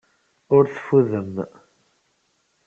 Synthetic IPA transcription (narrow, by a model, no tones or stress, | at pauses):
ʊɾθfuðəm